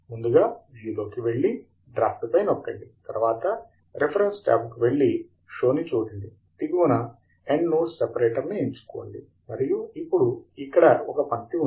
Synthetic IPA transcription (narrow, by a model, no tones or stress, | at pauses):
mund̪uɡaːʋijuloːkiʋe̞ɭːi | ɖɾaːft̪upɐjnokːɐɳɖit̪ɐɾʋaːt̪ɐ | ɾepʰɐɾensʈa̰ːpkiʋe̞ɭːi | ʃo̞ːnit͡ʃuːd̪ɐɳɖi | t̪iɡuʋunɐ | eɳɖnusːepɐɾeːʈɐɾnieɲt͡ʃu̥kɔːɐɭːḭ | mɐɾijuipːuɽuikːɐɽɐɔkɐpɐnt̪iu